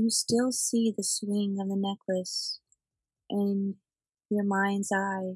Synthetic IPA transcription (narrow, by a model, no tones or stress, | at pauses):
jɨstɪlˠsiðɨswɪ̃ŋʌvðɨnɛkʰlɨs | ʔɨ̃n | jə˞mãɪ̃ndzaɪ